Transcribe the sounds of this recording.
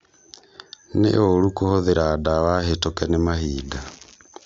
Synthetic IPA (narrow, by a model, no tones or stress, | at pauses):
nḛoɾukohoðeɾaːdawahetokɛnemahiːda